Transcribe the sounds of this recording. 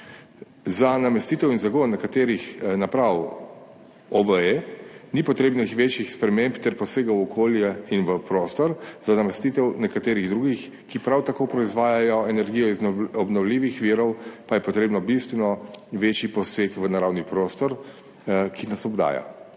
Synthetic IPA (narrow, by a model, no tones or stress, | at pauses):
zanamɛst̪iːt̪ɛwinzaɡonːɛkat̪eːɾixnapɾaw | ɔʋəenipɔt̪ɾeːbnixʋet͡ʃjixspɾɛmẽmpt̪ɛɾpɔseːɡawɔkʰoːljɛinʋəpɾoːst̪ɔɾzanamɛst̪it̪ɛwnɛkat̪eːɾiɣd̪ɾuːɡix | kipɾawt̪akoːpɾɔizʋaːjajɔɛnɛɾɡijɔizɔbnɔwliːʋixʋiːɾɔwpajɛpɔt̪ɾeːbnɔbist̪ʋɛnɔʋeːt͡ʃjipɔseːkʋənaɾawnipɾoːst̪ɔɾ | kʰinasɔbd̪a̰ːja̰